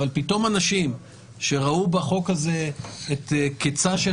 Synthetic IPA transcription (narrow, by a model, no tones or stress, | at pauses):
alpito̞manaʃim | ʃe̞ʁaubaχo̞khaze̞eteket͡saʃe